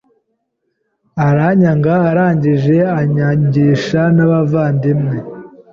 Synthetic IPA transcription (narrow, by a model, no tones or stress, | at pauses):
aɾaɲaŋɡaːɾaːɲɟiʒe̞aɲaɲɟiːʃanaβavaːndimŋe̞